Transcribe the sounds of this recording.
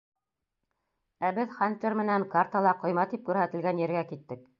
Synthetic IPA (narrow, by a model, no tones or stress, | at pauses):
æbɘðχanʲt̪ʲermɘ̆næŋkart̪ɑlˠɑqŏjmɑt̪ip̚kʉɾɦæt̪ɘ̆lɡænjɘ̆ɾɡækit̪ːɘk